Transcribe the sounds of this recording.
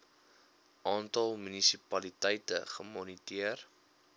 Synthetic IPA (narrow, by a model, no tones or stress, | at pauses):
ʔɑːntɐlˠmynisipɐlitəjtəχəmɔnitiər